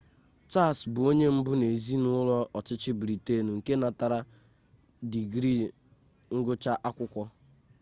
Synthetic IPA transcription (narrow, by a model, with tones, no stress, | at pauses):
t͡ʃa˦˨sbʊ˨o˦ɲe˦m̩˦bʊ˦ne˨zi˦nʊ˦lɔ˦ɔ˨t͡ʃɪ˦t͡ʃɪ˦bɾi˨te˦˨nu˨ŋ̩˨ke˦na˨ta˨ɾa˦ | di˨ɡɾi˦˨ | ŋ̩˦ɡʊ˦t͡ʃa˦ʔa˦kʷʊ˦kʷɔ˦